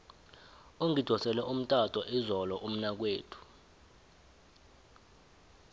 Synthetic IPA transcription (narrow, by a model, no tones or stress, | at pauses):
oŋid̥ʱɔsɛlɛʔum̩tʼatʼɔʔizɔlɔʔum̩nak̬weːtʰu̥